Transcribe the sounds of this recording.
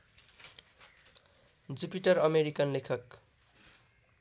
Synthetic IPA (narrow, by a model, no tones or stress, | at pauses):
d͡zupiʈʌɾʌmeɾikʌnlekʰʌk